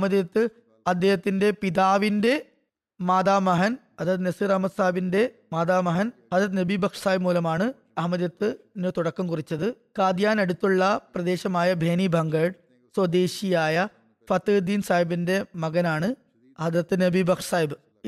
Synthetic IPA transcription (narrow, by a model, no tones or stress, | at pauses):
mɐðjɐt̪ːɨ | ɐd̪jeːɦɐt̪ːinde̞piðaːʋinde̞ | maːd̪aːmɐɦɐn | ɐd̪ɾɐt̪ːɨnesirɐːmɐt̪saːjbinde̞ | maːd̪aːmɐɦɐnhɐd̪ɾɐt̪̬ːɨnebibʱɐkʂɐ̥saːjbmuːlɐmaːɳɨ | ɐmɐðjɐt̪ːɨ | nɨt̪uɽɐkːɐmkurit͡ɕːɐðɨ | kaːd̪jaːnɐɽut̪ːuɭːɐprɐd̪e̞ːɕɐmaːjɐbʱe̞ːnibʱɐŋɡɐɖ | swɐd̪eːɕijaːjɐ | fɐt̪ɨd̪iːnsaːjibinde̞mɐɣɐnaːɳɨ | hɐd̪ɾɐt̪ːɨnebʱibɐkʂɐ̥saːjibɨ